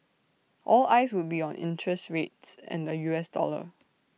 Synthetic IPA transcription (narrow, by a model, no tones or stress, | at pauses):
ʔɔlaɪswʊd̚biɔ̃nɪ̰̃ntʰɹɛstɹetsɛ̰̃ndəjuɛsdɔ̰lə̰